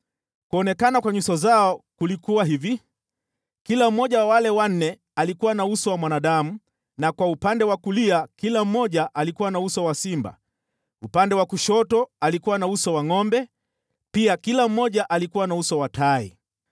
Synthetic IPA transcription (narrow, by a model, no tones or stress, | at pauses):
kuɔnɛkanakwaɲusɔzaɔkulikuwaɦivi | kilam̩mɔʄawawalɛwan̩nɛ | alikuwanausɔwamwanaɗamu | nakwaupandɛwakuliakilam̩mɔʄaʔalikuwanausɔwasimba̰ | upandɛwakuʃɔtɔalikuwanausɔwaŋɔmbɛ | piakilam̩mɔʄaʔalikuwanausɔwatʰaḭ